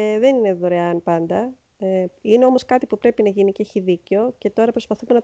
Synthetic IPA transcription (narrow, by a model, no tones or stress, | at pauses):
ðe̞nine̞ðo̞ɾeɐnpɐnd̪ɐ | eine̞o̞mo̞skɐt̪ipupɾe̞pinɐʝiniceeçiðiceo̞ce̞t̪o̞ɾɐpɾo̞spɐθumenɐ